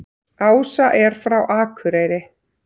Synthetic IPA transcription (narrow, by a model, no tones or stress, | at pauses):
aːwsaʔɛɾ̥fɾawʔaːkʰʏɾeːjɾɪ